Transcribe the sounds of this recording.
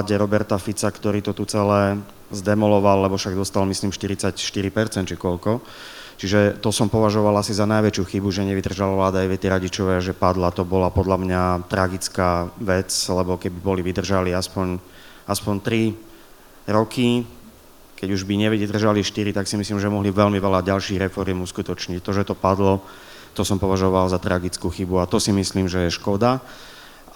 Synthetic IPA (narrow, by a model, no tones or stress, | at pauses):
ɟɛɾɔbɛɾt̪afit͡sakt̪ɔɾiːt̪ɔt̪ut͡sɛlɛː | zd̪ɛmɔlɔʋalːɛbɔfʃaɡd̪ɔst̪almisliːmʃt̪iɾit͡sacʃt̪iɾipɛɾt͡sɛnt̪t͡ʃikɔʎkɔ | t͡ʃiʒɛt̪ɔsɔmpɔʋaʒɔʋalasizanajʋɛt͡ʃɪuxibuʒɛɲɛʋid̪r̩ʒalaʋlaːd̪aajʋɛt̪ɛɾaɟit͡ʃɔʋɛaʒɛpad̪lat̪ɔbɔlapɔd̪lamɲat̪ɾaɡit͡skaːʋɛt͡slɛbɔkɛbibɔliʋid̪r̩ʒaliːaspɔɲ | aspɔɲt̪ɾi | ɾɔki | kɛɟuʒbiɲɛʋid̪r̩ʒaliʃt̪iɾit̪aksimisliːmʒɛmɔɦliʋɛlmiʋɛlaɟalʃiːɣɾɛfɔɾɪɛmuskut̪ɔt͡ʃɲict̪ɔʒɛt̪ɔpad̪lɔ | t̪ɔsɔmpɔʋaʒɔʋalzat̪ɾaɡit͡skuxibuat̪ɔsimisliːmʒɛjɛʃkɔd̪a